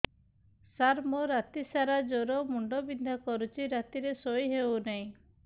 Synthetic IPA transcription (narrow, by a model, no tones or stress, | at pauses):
saɾmoɾat̪isaɾad͡ʒoɾɔmuɳɖɔbind̪ʱakɔɾut͡ʃʰiɾat̪iɾesojɦewnaĩ